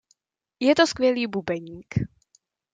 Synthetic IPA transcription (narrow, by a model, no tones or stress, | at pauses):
jɛt̪oskvʲjɛliːbubɛɲiːk